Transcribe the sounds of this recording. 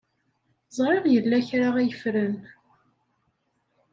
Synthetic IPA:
zˤɾˤeʁjəlːæçɾaʁæjəfɾən

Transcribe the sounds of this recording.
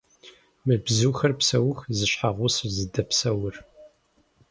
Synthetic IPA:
mɨbzuːxɐrpsɐwʊxzɨɕħaʁʷʊsɨrzɨdɐpsɐwʊr

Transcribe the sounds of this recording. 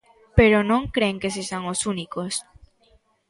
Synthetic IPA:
peɾonõŋkɾeŋkes̬esaŋosunikos

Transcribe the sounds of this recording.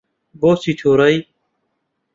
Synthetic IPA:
boːsit̪ʰoːɾɐj

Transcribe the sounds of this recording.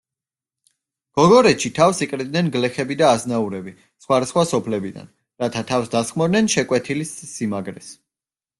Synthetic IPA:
ɡ̥ɔɡɔɾɛt̪ʃit̪ʰafsikʼɾid̪nɛnɡlɛχɛbid̪aːznauɾɛbi | sχwad̪asχwasɔpʰlɛbid̪a̰n | ɾat̪ʰat̪ʰavfsd̪asχmɔɾnɛnʃɛkʼwɛt̪ʰilisːimaɡɾɛs

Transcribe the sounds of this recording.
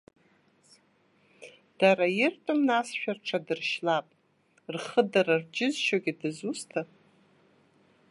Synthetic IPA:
d̥aɾajɪrtʼɨmnasʃᶣarʈ͡ʂʰadɨrʃlapʼ | rχədaɾard͡ʒɪzʃoɡʲadɨzustʰa

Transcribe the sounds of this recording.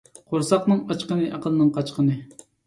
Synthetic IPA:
qʰoɾsɑqnɨŋɑt͡ʃqənɨʔɑqʰəlˠɨnɨŋqʰɑt͡ʃqʰənɨ

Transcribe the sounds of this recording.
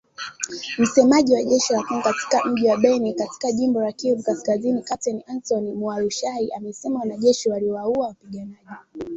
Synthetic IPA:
m̩sɛmaʄiwaʄɛʃilakuŋkati̥kam̩ʄiwaɓɛnikati̥kaʄimbɔlakiɾukaskazinikatɛniansɔnimualuʃaiʔamɛsɛmawanaʄɛʃiwaliɔwauawapiɠanaʄi

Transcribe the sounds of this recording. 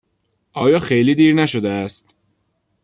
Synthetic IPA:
ʔɒːjɒːxejliːd̪iːɾnæʃod̪eæst̪

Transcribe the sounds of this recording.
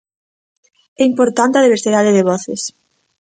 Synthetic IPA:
ɛimpoɾt̪ant̪ɐðiβeɾsiðaðɪðeβɔθɪ̰s

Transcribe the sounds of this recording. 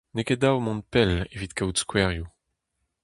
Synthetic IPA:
neked̪awmɔ̃npɛlevit̪kawt̪skwɛʁju

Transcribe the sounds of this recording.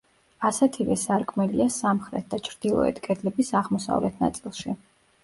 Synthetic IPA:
asɛt̪ʰivɛsaɾkʼmɛliasamχɾɛt̪̚ʰd̪at͡ʃʰɾd̪̥ilˠɔ̰ɛ̰t̪ʰkʼɛd̪lɛbisaʁmɔsa̰vlɛt̪ʰna̰t̪sʼilˠʃi

